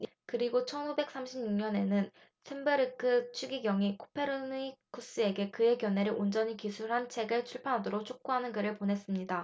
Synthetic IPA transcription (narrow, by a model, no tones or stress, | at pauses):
kɯɾiɡot͡ɕʰʌnube̞k̚s͈amɕʰibɲuŋɲʌne̞nɯn | sʰimbɯɾɯkʰɯt͡ɕʰiɡiɡjʌŋikʰo̥pʰe̞ɾonikʰus͈ɯe̞ɡe̞kɯe̞kjʌne̞ɾɯɭʔond͡ʑʌɲikisʰuɭɦant͡ɕʰe̞ɡɯɭt͡ɕʰuɭpʰjanɦadoɾok̚t͡ɕʰok̚k͈oɦanɯnɡɯɾɯɭponɦe̞s͈ɯmɲida